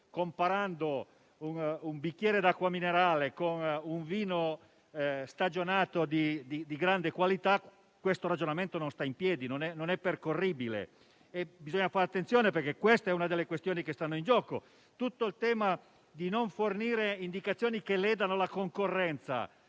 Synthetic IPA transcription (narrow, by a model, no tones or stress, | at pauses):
kompaɾand̪o | unumbik̟ːjɛːɾed̪akːwamineɾaːlekonuɱviːno | st̪ad͡ʒonaːt̪od̪id̪id̪iɡɾand̪ekwalit̪a | kːwest̪oɾad͡ʒonament̪ononst̪aimpjɛːd̪inonɛnonɛpːerkorːiːbilḛ | ebizoɲːafaɾeat̪ːent̪ːjoːneperkekːwest̪ɛunad̪elːekwest̪joːnikest̪anːoind͡ʒɔːko | t̪ut̪ːoilt̪ɛːma | d̪inoɱforniːɾeind̪ikat̪sjoːnikelɛːd̪anolakoŋkorːɛnt̪sa̰